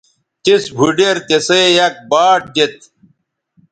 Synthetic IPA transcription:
t̪isbʱuɖeɾt̪esejɐk̚baːʈ̚d͡ʑet̪̚

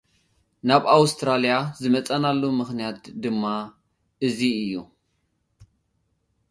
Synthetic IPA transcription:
naβawst̪ʰɾalijazɨmɐt͡sʼanalːumɨxnijat̪̚d̪ɨmːa | ʔɨziɨjːu

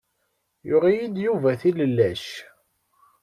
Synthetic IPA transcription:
jʊʁijid̪juvæθiləlːæʃ

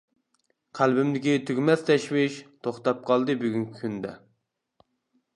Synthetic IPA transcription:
qʰælbɪmd̪ɪkʲit̪ʰyɡʲmɛst̪ʰɛʃwɪʃt̪ʰoχt̪ɑp̚qʰɑlˠd̪ɨbyɡʲyŋkʲʰi̥kʰʲynd̪ɛ̰

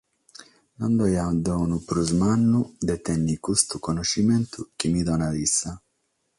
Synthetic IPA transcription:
nɔnd̪ɔjad̪ɔnupɾuzmanːud̪ɛt̪ɛnːikust̪ukɔnoʃːimɛnt̪ʰuk̟imid̪ɔnavisːa

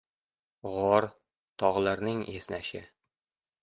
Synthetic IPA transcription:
ʁɒɾ | t̪ʰɒʁlˠaɾnɪŋesnæʃɪ

